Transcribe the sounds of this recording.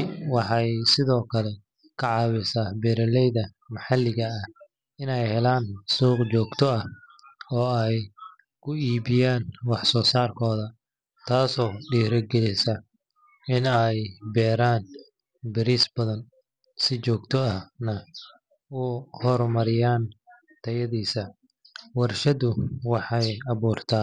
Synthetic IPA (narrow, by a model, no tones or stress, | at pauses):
wɑħɑjsɪðɔːkʰɐlɛ | kʰɐʕɑːwɪsabɛɾɐlɛjðɐ | mɐħɑlːɪɣɐːh | ɪnɛjhɛlaːnsuːqt͡ʃɔːɡt̪ʰɔɐ | ɔːɛj | kʰʊiːβɪjaːnwɑħsɔːsaːrkʰɔːðɐ | t̪ʰaːsɔːɖiːɾɐɡɛlɪsɐ | ɪnɛjbɛːɾaːn | bɪɾisbɐðɐn | sɪt͡ʃɔːɡt̪ʰɔɐhnɐ | ʊhɔrmɐɾɪjaːn | t̪ʰɐjɐðiːsɐ | wɑrʃɐðʊwɑħɑjɐβuːrt̪ʰaːn